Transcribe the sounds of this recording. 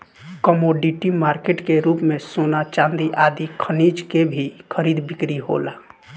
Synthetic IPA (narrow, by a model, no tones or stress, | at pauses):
kəmoɖiʈimaːɾkeʈkeɾuːpmẽsoːnat͡ʃãːnd̪iʔaːd̪ikʰənid͡ʒkebʱikʰəɾiːd̪bɪkɾiɦo̰laː